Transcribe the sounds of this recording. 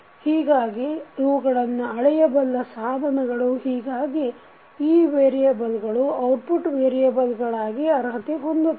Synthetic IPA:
hiːɡaːɡiiʋuɡɐɭɐnːuɐɭɛjɐbɐlːɐsaːd̪ʱɐnɐɡɐɭuhiːɡaːɡi | iːʋeːɾijabɐlɡɐɭuɐwʈ̚puʈʋeːɾijɐbɐlɡɐɭaːɡiɐɾɦɐt̪eɦo̞nd̪u

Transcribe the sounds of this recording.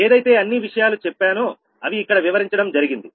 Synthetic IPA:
eːd̪ɐjt̪e̞ːɐnːiʋiʂɐjaːlut͡ʃɛpːaːno | ɐʋiːkːɐɽɐʋiʋɐɾiɲt͡ʃɐɽɐmd͡ʒɐɾiɡind̪i

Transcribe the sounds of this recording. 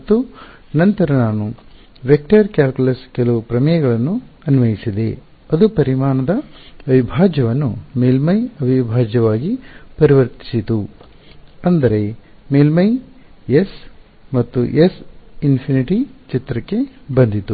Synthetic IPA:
ɐt̪ːu | nɐnt̪ɐɾɐnaːnu | ʋek̚ʈɐɾkjaːlkulɐskɛlɐʋupɾɐmɐjɐɡɐɭɐnːu | ɐniʋɐjisid̪e̞ | ɐd̪upɐɾimaːɳɐd̪ɐɐʋibʱaːd͡ʒɐʋɐnːumeːlmɐjɐʋibʱaːd͡ʒɐʋaːɡipɐɾiʋɐɾt̪i̥sit̪u | ɐnd̪ɐɾe̞ | meːlmɐjes | mɐt̪ːuʔesinpʰiniʈit͡ʃit̪ɾɐkːe̞bɐnd̪it̪u

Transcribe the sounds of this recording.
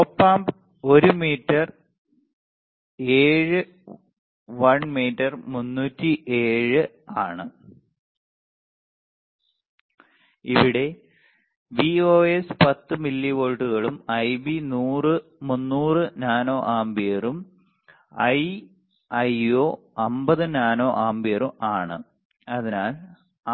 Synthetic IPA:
opːaːmb | o̞ɾumiːtːɐr | eːɻɨ | ʋɐɳmiːtːɐrmunːuːtːiʔe̞ːɻɨ | aːɳɨ | iʋiɽe̞ | ʋioːespɐt̪ːɨmilːiʋoːɻʈːuɣɐɭumɐjbinuːrɨmunːuːrɨnaːno̞ːʔaːmbijɐrum | ɐj | ɐjoː | ɐmbɐðɨnaːno̞ːʔaːmbijɐrumʔaːɳɨ̰ | ɐðinaːl

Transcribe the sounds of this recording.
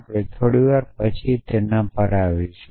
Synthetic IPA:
pɽet̪ʰoɽiʋaɾpət͡ʃʰit̪enãpəɾaʋiʃ

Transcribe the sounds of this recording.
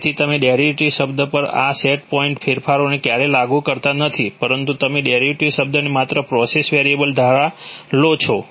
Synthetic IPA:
t̪ʰit̪əmeɖjaɾjuʈiʃəbd̪əpəɾa̰seʈ̚pɔiɳʈfʰeɾfʰaɾonekjaɾelaɡukəɾt̪anət̪ʰipəɾənt̪ut̪əmeɖeaɾjuʈiʃəb̚d̪ənemat̪ɾəpɾɔsesʋeɾiebəld̪ʱaɭalot͡ʃʰo

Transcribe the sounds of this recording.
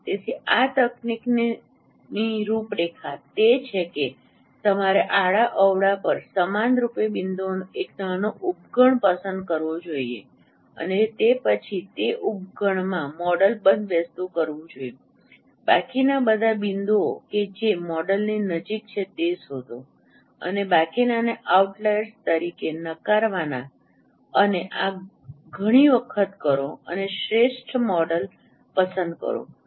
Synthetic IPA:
t̪et̪ʰiat̪əknikn | niɾupɾekʰat̪et͡ʃʰeke | t̪əmaɾeʔaɭaʔəʋɽapəɾsəmanɾupebind̪onoeknanoʔub̚ɡʱəɳpəsənd̪̚kəɾʋod͡ʒoiḛ | ə̰net̪epət͡ʃʰit̪eʔub̚ɡʱəɳmãmɔɽəlbə̃nd̪ʱʋəst̪ukəɾʋũd͡ʒoje | ba̰kinabəd̪ʱabind̪oked͡ʒemɔɖəlninəd͡ʒik̚t͡ʃʰet̪esɦot̪o | ə̰nebakinaneʔauʈlest̪əɾikenəkaɾʋana | əneʔa | ɡʱəɽ̃iʋəkʰət̪kəɾoə̰neʃɾeʃʈʰmɔɖəl | pəsə̃nd̪kə̰ɾo̰

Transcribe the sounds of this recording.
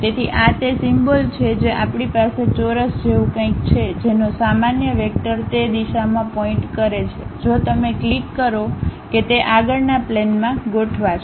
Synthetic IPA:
t̪et̪ʰiʔat̪esimbəlt͡ʃʰed͡ʒeʔapɽ̃ipaset͡ʃoɾəsd͡ʒeʋũkə̃ĩk̚t͡ʃʰed͡ʒenõsamanjəʋek̚ʈəɾt̪ed̪iʃamãpɔĩʈkəɾet͡ʃʰed͡ʒot̪əmeklikːəɾoket̪eʔaɡəɭnaplenmãɡoʈʰʋat͡ʃʰ

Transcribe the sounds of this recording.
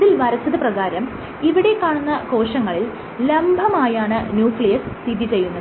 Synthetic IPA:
ðilʋɐɾɐsɐðɐprɐɣaːɾɐm | iʋiɽe̞kːaːɳunːɐko̞ːʂɐŋːɐɭil | lembʱɐmaːjaːɳɨnjuːfɭɐjɐst̪id̪ʱit͡ɕe̞jːunːɐɨ

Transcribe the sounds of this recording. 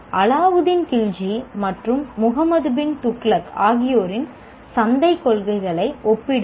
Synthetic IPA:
ʔɐlaːʋɯðɪnk̪ɪɻd͡ʒimɐʈrɯmːʊɣɐmɐðɯbɪnt̪ʊkːɭɐkaːɣɪjoːɾɪn | sɐnd̪ɐɪkːɔɭɣɐɪɣɐɭɐɪɔpːɪɽɯ

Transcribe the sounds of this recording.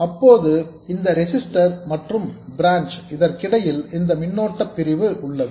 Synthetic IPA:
ɐpːoːðɯ | ɪnd̪ɐɾɪsɪsʈɐɾmɐʈrɯmbɪɾaːnt͡ʃɪðɐɾkɪɽɐjɪlɪnd̪ɐmɪnːoːʈːɐpːɪɾɪʋɯʔʊɭːɐðɯ

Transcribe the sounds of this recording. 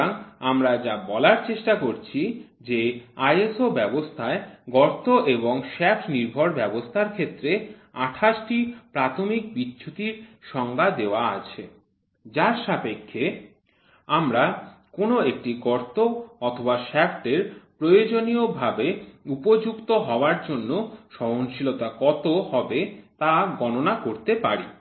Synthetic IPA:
aŋamɾad͡ʑabɔlaɾt͡ɕeʃʈakoɾt͡ɕʰi | d͡ʑeajesobɛbost̪ʰaeɡɔɾt̪oʔeboŋʃɛfʈniɾbʱoɾbɛbost̪ʰaɾkʰet̪ːɾeaʈʰaʃʈipɾat̪ʰomik̚bitːɕʰut̪iɾʃɔŋɡʱad̪eoaa̰t͡ɕʰe | d͡ʑaɾʃapekʰːe | amɾakonoek̚ʈiɡɔɾt̪oɔt̪ʰobaʃɛfʈeɾpɾojod͡ʑonijobʱabeupod͡ʑukt̪oɦɔoaɾd͡ʑonːoʃɔɦonʃilot̪akɔt̪oɦɔbet̪aɡɔnonakoɾt̪epaɾi

